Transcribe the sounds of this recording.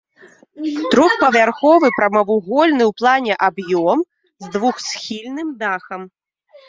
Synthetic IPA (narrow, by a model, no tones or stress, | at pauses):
t̪ɾɔxpɐvʲarxɔvɨpɾɐmɐvuɣɔlʲnɨwplˠanʲɛʔabjɔm | zd̪vuxsʲxʲilʲnɨmd̪axɐm